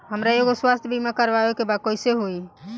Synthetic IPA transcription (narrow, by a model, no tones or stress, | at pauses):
ɦəmɾaeɡoswast̪ʰjbʱimakəɾʋaekebakoseɦoi